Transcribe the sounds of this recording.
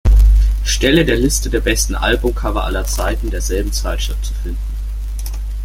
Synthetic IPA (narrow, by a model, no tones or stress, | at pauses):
ʃtɛlədeːɐlɪstədeːɐbɛstn̩ʔa̰lbʊmkʰavɐ̰ʔa̰lɐt͡saɪtn̩deːɐzɛlbm̩t͡saɪtʃʁ̥ɪftt͡sufɪndn̩